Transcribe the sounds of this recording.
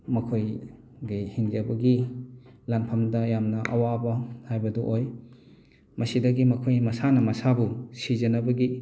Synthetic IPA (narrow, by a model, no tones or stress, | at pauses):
mɐkʰoj | ɡihiŋd͡ʒɐbɐɡi | lanpʰɐmdɐjamnɐʔɐ̰wabɐhajbɐduʔoj | mɐsidɐɡimɐkʰojmɐsanɐmɐsabusizɐnɐbɐɡi